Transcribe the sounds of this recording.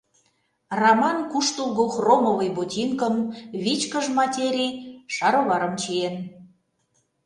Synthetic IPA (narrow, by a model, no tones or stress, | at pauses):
rɑmɑnkuʃt̪ulˠɣoxromovəjbot̪ʲinkəmβʲit͡ɕkəʒmɑtʲeɾʲijʃɑɾoβɑɾə̆mt͡ɕijen